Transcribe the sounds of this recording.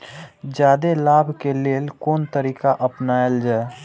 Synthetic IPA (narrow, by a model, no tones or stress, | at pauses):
d͡ʒjaːd̪elaːbʱkeleːlkoːnt̪əɾiːkaʔəpnaeld͡ʒaːe